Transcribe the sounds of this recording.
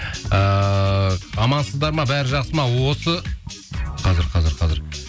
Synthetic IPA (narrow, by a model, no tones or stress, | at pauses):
ə | ɑmɑnsəzd̪ɑɾmɑbæɾɪʒɑqsəmɑwo̞sə | qʰɑzɪɾqʰɑzɪɾqʰɑzɪɾ